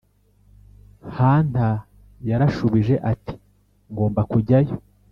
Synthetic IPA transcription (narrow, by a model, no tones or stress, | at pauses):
haːn̥a | jaɾaʃuβiʒe̞ʔati̥ | ŋɡo̞ːmbakuɟajo